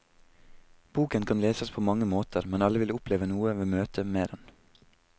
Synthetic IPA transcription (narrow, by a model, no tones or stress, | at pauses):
b̥uːkənkʰɑnleːsəspʰoːmɑŋəmoːt̪ʰəɾmɛnɑləʋɪlʊpleːʋənuːəʋeːmøːt̪ʰəmeːd̪ɛn